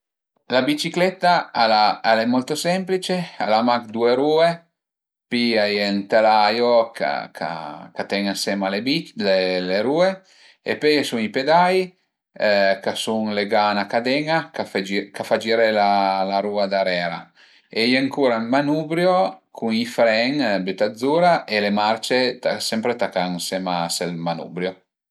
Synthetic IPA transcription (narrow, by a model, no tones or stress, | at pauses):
labit͡ʃiklɛt̪ːaalaalemɔlt̪osɛmplit͡ʃealamakd̪uːeɾuːe | piajent̪elajoka̰kʰa̰kat̪ɛŋasɛmalebileleɾuːe | ḛpɔjsuŋiped̪aj | kasuŋleɡanakad̪ɛŋakafkafad͡ʒiːɾelalaɾuːad̪aɾɛːɾa | ejeŋkuːɾalmanuːbɾjokʰuŋifɾɛŋbyt̪ad̪zːuːɾaʔelemart͡ʃet̪asɛmpɾet̪akaŋsɛmaselmanṵbɾjo